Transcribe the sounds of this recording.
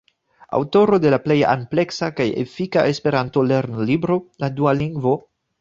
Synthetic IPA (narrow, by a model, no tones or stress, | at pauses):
a̰wto̞ɾo̞de̞laple̞ja̰mple̞ksakajḛfikaʔe̞spe̞ɾanto̞leɾnlibɾo̞ladualiŋɡvo̞